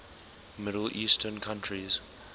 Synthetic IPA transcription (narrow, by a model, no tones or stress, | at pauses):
mɪɾəlʔiːstʰənkʰãntʰɹiz̥